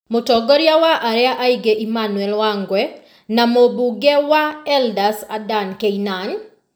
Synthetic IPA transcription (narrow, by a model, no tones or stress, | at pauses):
motɔɡɔɾjawaʔaɾɛaʔaiɡeʔimanuɛlwaŋɡwɛ | namobuɡɛwaɛldasadankeinan